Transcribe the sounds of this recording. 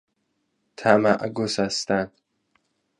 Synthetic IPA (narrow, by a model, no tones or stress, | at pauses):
t̪ʰamaʔɡusast̪an